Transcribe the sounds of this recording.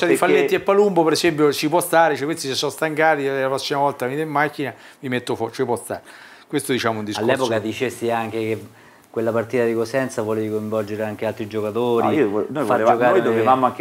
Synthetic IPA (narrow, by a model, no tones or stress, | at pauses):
t͡ʃɛdifalːet̪ːiepːalumbopeɾesɛmpjot͡ʃipwɔst̪aːɾet͡ʃɛkwest̪isesːɔst̪aŋkaːt̪iɛlapɾɔsːimavɔlt̪amid̪emːakːina | vimet̪ːofɔt͡ʃipwɔst̪a̰ːɾe | kwest̪od̪it͡ʃaːmound̪isalːɛːpokad̪it͡ʃesːiaŋk̟eke | kːwelːapart̪iːt̪ad̪ikosɛnt̪savɔleikoj̃ɱvɔld͡ʒeɾeaŋk̟ealt̪ɾid͡ʒokat̪oːɾinojaokaɾjd̪ovevamoaŋk